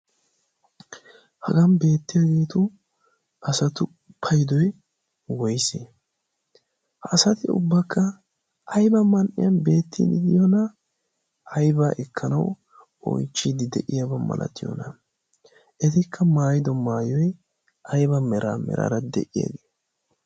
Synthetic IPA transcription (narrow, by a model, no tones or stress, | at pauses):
hɐɡɐnbe̞ːt̪ːɪjaɡe̞ːt̪ʊ | ɐsɐt̪ʊ | ʊpʰːɐjd̪ɔj | wɔjseː | hɐːsɐt̪ɪʊ̰bːɐkːɐ | ʔɐjbɐmɐnʔɪ̰jɐnbe̞ːt̪ːid̪ɪd̪ɪjonɐ | ʔɐjbaːʔɛkʰːɐnɐw | ɔ̰jt͡ʃːid̪ɪd̪ɛʔɪjɐbɐmɐ̰lʔɐ̰t̪ːɪjɔ̰nɐ | ʔɛt̪ɪkʰːɐmaːjɪd̪ɔmaːjɔj | ʔɐjbɐmɛɾʔa̰mɛ̰ɾa̰ɾɐd̪ɛ̰ʔɪja̰ɡeː